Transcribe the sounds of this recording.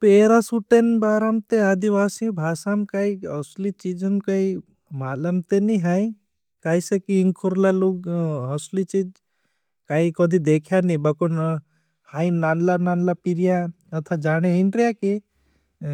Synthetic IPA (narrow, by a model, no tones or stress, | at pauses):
peːɾasuʈenbaːɾamt̪eaːd̪iʋaːsibʱaːsamkaiɔslit͡ʃid͡ʒənkai | maːlɐmt̪eniɦaĩ | kaːisekiiŋkʰuɾlaloɡ̚ɔslit͡ʃid͡ʒ | kaikɔd̪ʱid̪eːkʰjanibɐkun | hainanlananlapiɾija | ɐt̪ʰad͡ʒaːɽ̃einɾjaki